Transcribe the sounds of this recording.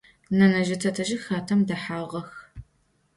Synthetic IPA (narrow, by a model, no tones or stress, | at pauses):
nɐnɐʒɐtʰɐtʰɐʒɪxaːtʰɐmdɐħaːʁɐx